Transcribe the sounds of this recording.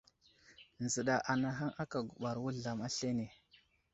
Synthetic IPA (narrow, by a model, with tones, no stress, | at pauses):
nzə˨ɗa˨ʔa˨na˦ɦa˦ŋʔa˦ka˨ɡu˨ɓa˨ɾwu˦ɮa˨ma˦ɬe˦ne˨